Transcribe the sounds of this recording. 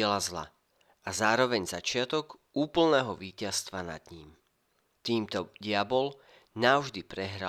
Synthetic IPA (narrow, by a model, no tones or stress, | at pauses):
ɛlazla̰ | ʔazaːɾɔʋɛɲzat͡ʃɪat̪ɔɡ | uːpl̩nɛːɦɔʋiːcast̪ʋana̰d̪ɲiːm | t̪iːmt̪ɔɟɪabɔl | naʊʒd̪ipɾɛɦɾa